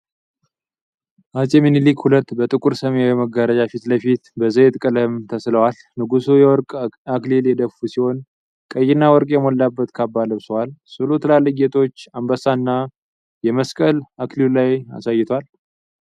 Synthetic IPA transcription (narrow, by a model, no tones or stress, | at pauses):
ʔat͡ʃʼeminilikhulət̪ːbət̪ʼɨkʼuɾsəmejɛməɡəɾəd͡ʒafit̪ləfit̪bəzəjt̪ʼkʼələmt̪ʰəsləwal | nɨɡusujɛwɔɾkʼakliljɛd̪əfusiho̞n | kʼəjːɪnːawɔɾkʼjɛmolːabːət̪kʰabːaləβsəwalsɨlut̪ʰəlalːəɡet̪ʼʰo̞t͡ʃːambəsanːa | jɛməskʼəlaklillaja̰sajːɪt̪ʰwal